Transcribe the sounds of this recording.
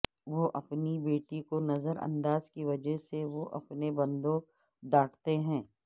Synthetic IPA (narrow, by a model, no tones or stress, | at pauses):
ʋoʔɐpnibeːʈikonɐzəɾɐ̰̃nd̪aːzkiʋɐd͡ʒəɦseʋoʔɐ̰pnebɐ̃nd̪õ | d̪aːʈʰt̪eɦɛ̃ː